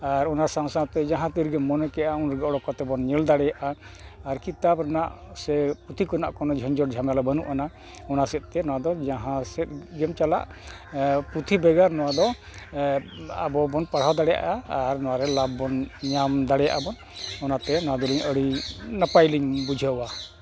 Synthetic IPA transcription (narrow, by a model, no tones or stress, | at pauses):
aɾɔnasaŋsat̪ɛd͡ʒãɦãt̪iɾɡɛmːɔnɛkɛaunɾɡɛɔɽɔkɔt̪ɛbɔnɲɛld̪aɽɛjaʔaː | ɾkit̪abɾɛnaʔ | sɛput̪ʰikɔnaʔkɔnɔd͡ʒʱɔnd͡ʒɔʈd͡ʒʱamjalɔbənuʔana | ɔnasɛt̪̚ˀt̪ɛnɔwad̪ɔd͡ʒãɦãsɛt̪̚ɡɛmt͡ʃala̰ʔ | put̪ʰibɛɡaɾnɔwad̪ɔ | a̰bɔbɔnpaɽ̤awd̪aɽɛja̰ʔaːɾnɔwaɾɛlab̚ːɔnɲamd̪aɽɛja̰ʔabɔn | ɔnat̪ɛnɔwad̪uliɲəɽinapajliɲbud͡ʒʱəwa